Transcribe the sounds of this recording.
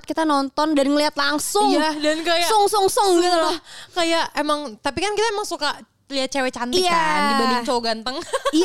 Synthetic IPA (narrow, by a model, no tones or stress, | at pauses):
t̪̚kit̪anɔnt̪ɔndanŋəliɦat̪laŋsʊŋadankajasʊŋsʊŋsʊŋɡit̪ulɔhkajaʔemaŋt̪apikankit̪aemaŋsuka | liat̪̚t͡ʃewɛt͡ʃant̪jabadʊŋt͡ʃoɡant̪əŋi